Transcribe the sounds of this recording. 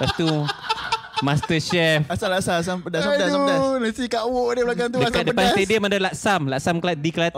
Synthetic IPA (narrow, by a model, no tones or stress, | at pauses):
past̪u | mast̪əʃɛfasalaʔsaas̬ampədasajdsdanasikaʔwoʔdeblakant̪̬udəakat̪̚dəpanst̪edəmadalaksamlaʔsamklat̪̚diklat̪̚